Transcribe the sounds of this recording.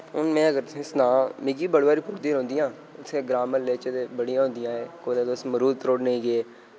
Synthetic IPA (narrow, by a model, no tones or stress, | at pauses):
ʊnmɛ̃ːəɡəɾsnãːmɪɡiːbəɽʋaːɾiːpʊɾd̪iːɦõːnd̪ijãː | ʊt̪ʰẽːɡɾaːməɾleːt͡ʃət̪eːbəɽijãːɦõːnd̪ijãːeːkoːd̪eːd̪osməɾuːd̪t̪ɾoːɽneiːɡeː